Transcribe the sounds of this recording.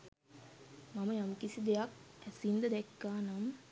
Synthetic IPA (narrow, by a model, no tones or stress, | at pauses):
maməjamkisid̪ejak̚æsind̪əd̪ɛkːaːnam